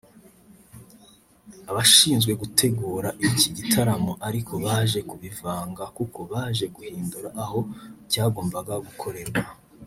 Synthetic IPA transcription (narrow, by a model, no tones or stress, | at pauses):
aβaʃiːnzɡwe̞ɡutʰe̞ɡuːɾaʔiciɟitʰaɾamoʔaɾikʰo̞βaːʒe̞kuβivaːŋɡakukʰo̞βaːʒe̞ɡuhiːnduɾaʔːho̞caːɡo̞ːmbaɡaɡukʰo̞ɾe̞ɾwa